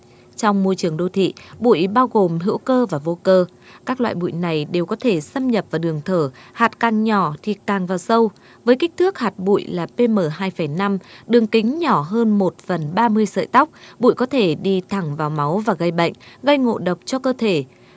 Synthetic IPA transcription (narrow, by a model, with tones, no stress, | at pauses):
t͡ɕɔ˧wŋ͡mmo˧jt͡ɕɨ˨˩əŋɗo˧t̪ʰḭ˧˨ɓṵ˧˨jɓaː˧wɣo˨˩mɦɨ̰˧˥əwkəː˧vaː˨˩vo˧kəː˧ | kaː˦˥k̚lwa̰ː˧˨jɓṵ˧˨jna˨˩jɗe˨˩wkɔ˨˦t̪ʰe˧˩sə˧mɲə˨˩p̚vaː˨˩ɗɨ˨˩əŋt̪ʰəː˧˩haː˨˩t̚kaː˨˩ŋɲɔ˧˩t̪ʰi˨˩kaː˨˩ŋvaː˨˩wsə˧w | vəː˨˦jka˦˥k̟̚t̪ʰɨ˦˥ək̚haː˨˩t̚ɓṵ˧˨jlaː˨˩pe˧məː˨˩ɦaː˧jfa˧˩jna˧mɗɨ˨˩əŋkï˨˦ŋ̟ɲɔ˧˩ɦəː˧nmo˨˩t̚fə˨˩nɓaː˧mɨ˧əjsə̰ː˧˨jt̪a˦˥wk͡p̚ɓṵ˧˨jkɔ˨˦t̪ʰe˧˩ɗi˧t̪ʰa˧˩ŋvaː˨˩wma˨˦wvaː˨˩ɣə˧jɓə̰˧˨jŋ̟ɣə˧jŋo̰˧˨ɗə˨˩wk͡p̚t͡ɕɔ˧kəː˧t̪ʰe˧˩